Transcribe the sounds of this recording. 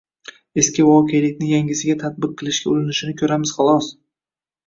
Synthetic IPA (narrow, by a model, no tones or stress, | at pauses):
e̞skʲɪvɒqʰejlɪk̚ʲnɪjaŋʲɪzɪɡʲat̪ʰat̪̚bɨq̚ʰːɨlˠɪʃɡʲaolɪnɪʃɪnɪkʲʰɵɾamɪz̥χɑlˠɒs